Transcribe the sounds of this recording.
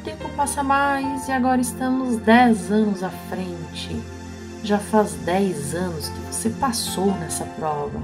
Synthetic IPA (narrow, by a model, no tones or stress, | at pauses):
t̪ẽmpʊpasɐmajzɪaɡɔɾɐɪst̪ɐ̃mʊzd̪ɛzɐ̃nʊzafɾẽnt͡ʃɪ̰ | ʒafazd̪ɛjzɐ̃nʊzk̪ɪvosepasownɛsɐpɾɔvɐ̰